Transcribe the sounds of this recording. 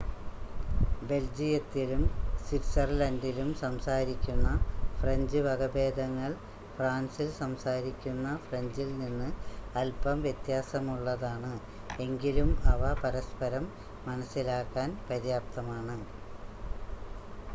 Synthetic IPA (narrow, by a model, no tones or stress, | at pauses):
be̞ld͡ʑijɐt̪ːilumswiʈsɐrlɐndilumsɐmsaːɾikʲːunːɐfreɲd͡ʑɨʋɐɡɐbe̞ːd̪ʱɐŋːɐɭ | fraːnsilsɐmsaːɾikʲːunːɐfreɲd͡ʑilninːɨɐlpɐmʋjet̪jaːsɐmuɭːɐðaːɳɨ | e̞ŋɡilumɐʋɐpɐɾɐspɐɾɐmː | ɐnɐsːilaːkːaːnpɐɾjaːp̚t̪ɐmaːɳɨ